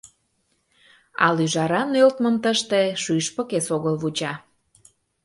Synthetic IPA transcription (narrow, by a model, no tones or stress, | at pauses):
ɑ̰lyʒɑɾɑnølt̪məmt̪əʃt̪eʃyʃpə̆kesoɣəlβut͡ɕɑ